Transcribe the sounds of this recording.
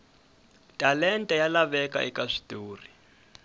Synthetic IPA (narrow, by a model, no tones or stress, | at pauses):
tʼalɛntʼɛjalaβɛka̰ʔikaʂi̥tuːri